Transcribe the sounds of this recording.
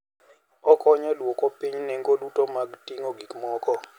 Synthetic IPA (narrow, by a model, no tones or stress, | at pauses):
ɔkɔɲalwɔkɔpiɲneŋɡolutɔmaɡtiŋoɡikmɔkɔ